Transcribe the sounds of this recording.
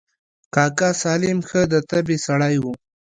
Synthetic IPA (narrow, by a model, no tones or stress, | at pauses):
kɑːkasɑːlɪmxəd̪ət̪abesaɽajwu